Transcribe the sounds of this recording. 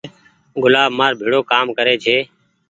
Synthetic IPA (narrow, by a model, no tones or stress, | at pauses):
ɡʊlaːbmaːɾbʱiːɽoːkaːmkəɾeːd͡ʒʰeː